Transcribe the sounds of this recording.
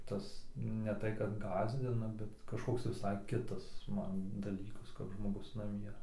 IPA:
ˈtɐs nʲɛ ˈtɐɪ kɐt ˈɡɑːzʲdʲɪnɐ bʲɛt kɐʃˈkoːks ʋʲɪˈsɐɪ ˈkʲɪtɐs ˈmɐn dɐˈlʲiːkɐs kɐp ʒmoːˈɡʊs nɐˈmʲiɛ

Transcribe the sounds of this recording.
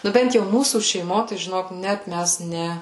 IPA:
ˈnʊ ˈbʲɛnt jɛʊ ˈmuːsuː ʃʲɛɪˈmoː tɐɪ ʒʲɪˈnoːk ˈnʲɛt ˈmʲæs ˈnʲɛ

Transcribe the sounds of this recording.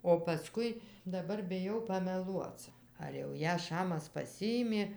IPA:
oː pɐˈskʊɪ dɐˈbɐr bʲɪˈjɛʊ pɐmʲɛˈlˠuɔt͡s ɐr jɛʊ ˈjæː ˈʃɑːmɐs pɐsʲˈɪɪmʲeː

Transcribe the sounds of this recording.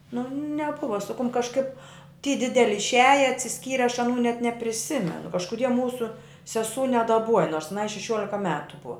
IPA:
nʊ nʲɛˈbʊʋɐ sʊ kʊm kɐʃˈkɐɪp tʲiː ˈdʲɪdʲɛlʲɪ ɪʃʲˈæːjɛ ɐtʲsʲɪˈsʲkʲiːrʲɛ ɐʃ ɐˈnuː nʲɛt nʲɛpʲrʲɪˈsʲɪmʲɛnʊ kɐʃkʊˈdʲiɛ ˈmuːsʊ sʲɛˈsuː nʲɛdɐˈbuɔjɛ noːrs ɐˈnɐɪ ʃʲɛˈʃʲuɔlʲɪkɐ ˈmʲæːtʊ ˈbʊɐ

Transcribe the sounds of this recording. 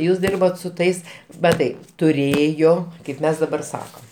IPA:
ˈjuːs ˈdʲɪrboːt sʊ ˈtɐɪs mɐˈtɐɪ tʊˈrʲeːjoː kɐɪp ˈmʲɛs dɐˈbɐr ˈsɑːkɐm

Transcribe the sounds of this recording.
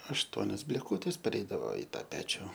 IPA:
ɐʃˈtuɔnʲoːs bʲlʲeːˈkuːtʲeːs pʲɛˈrʲɛɪdɐʋoː ɪ ˈtɑː ˈpʲæːt͡ʃʲʊ

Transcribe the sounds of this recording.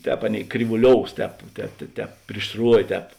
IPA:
ˈtʲɛːp ˈɑːˌnʲeːɪ krʲiːʋʊˈlʲoːʊs ˈtʲɛːp ˈtʲɛːp tʲɛ ˈtʲɛːp pʲrʲɪʃ ˈsruɔʋʲeː ˈtʲɛːp

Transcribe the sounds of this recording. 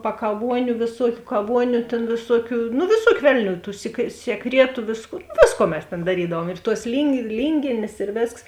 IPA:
pɐkɐˈʋuɔnʲʊ ʋʲeːˈsuɔkʲʊ kɐˈʋuɔnʲʊ tʲeːn ʋʲeːˈsuɔkʲʊ nʊ ʋʲeːˈsuɔkʲʊ ˈʋʲɛlʲˌnʲuː tuː sʲiɛ sʲiɛˈkrʲiɛtʊ ˈʋʲɪskoː ˈʋʲeːsˌkuɔ mʲɛs ˈtʲeːn dɐˈrʲiːdɐʋuɔm ɪr tuɔs lʲiːŋʲɡʲɪ ˈlʲiːŋʲɡʲeːnʲeːs ɪr ˈʋʲeːsks

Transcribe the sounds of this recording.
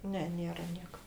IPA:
ˈnʲɛ ˈnʲeːrɐ ˈnʲiɛkɐ

